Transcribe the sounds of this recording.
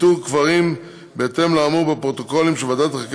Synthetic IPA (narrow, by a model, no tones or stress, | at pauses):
tukvaʁim | beːt̪e̞mlaːmuʁbepʁot̪o̞ko̞limʃevad̪at̪χak